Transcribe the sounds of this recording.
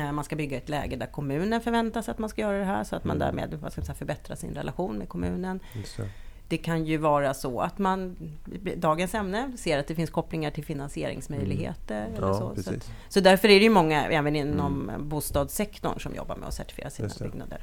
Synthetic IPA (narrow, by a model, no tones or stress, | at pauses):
manskabʏɡːaɛt̪lɛ̰ːɡəd̪æɾkʰɔmʉ̟ːnənfœɾvɛnt̪asat̪manskajœːɾad̪ɛɦæ̰ːʂɔat̪ma̰nd̪æ̰ːɾmḛːd̪va̰skamsɛjafœɾbɛt̪ɾasɪ̰nɾɛ̰lʔaɧuːnmɛkʰɔmʉ̟ːnən | d̪̥ɛkʰanjɵvɑːɾasɔat̪man | d̪ɑːɡənsɛmnəseːɾat̪̚d̪ɛfɪnskʰɔpːlɪŋaʈʰɪlfɪnansɪeːɾɪ̰ŋsmœjlɪɡɦḛːt̪əɾɛlːəʂɔ̰sat̪ | sɔd̪æɾfœɾæɖɛjɵmɔŋːaʔɛːvənɪnːɔmbuːst̪ɑːd̪sɛkt̪ɔ̰ɳʂɔmjɔ̰bːa̰ɾmʔɛ̰ɔ̰sæʈɪ̥fɪḛːɾasiːnbʏ̰ɡna̰d̪ə̰ɾ